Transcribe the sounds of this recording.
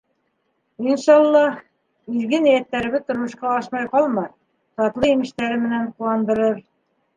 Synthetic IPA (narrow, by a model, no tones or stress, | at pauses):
inʃɑlˠːɑh | iðɡɘnijæt̪ːæɾɘ̆βɘt̪ŏɾmɤ̆ʃqɑɑʃmɑjqɑlˠmɑj | t̪ɑt̪lˠɤimɘ̆ʃt̪æɾɘmɘ̆nænqulˠɑnd̪ɤ̆ɾɤɾ